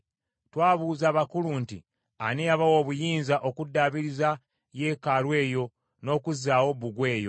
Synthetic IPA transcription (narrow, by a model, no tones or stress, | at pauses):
twaːβuːzaːβakuluntḭ | aniaβawo̞ːβujiːnzaʔo̞kudːaːβiɾiza | je̞ːkalwe̞ːjo̞ | no̞ːkuzaːwo̞βuɡwe̞ːjo̞̰